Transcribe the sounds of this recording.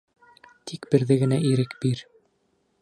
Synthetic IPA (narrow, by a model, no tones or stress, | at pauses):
t̪ʰikbɘ̆ɾðɘɡɘ̆næʔiɾɘkbiɾ